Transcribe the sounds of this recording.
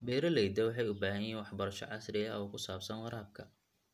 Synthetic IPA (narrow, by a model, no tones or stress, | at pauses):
bɛːɾɐlɛjd̪ɐwɑħɑjʊbaːɦɐnjiːnwɑħbɐɾɐʃɔ̰ʕɑsrɪɐɔːkʰʊsaːbsɐnwɑɾaːb̚kʰɐ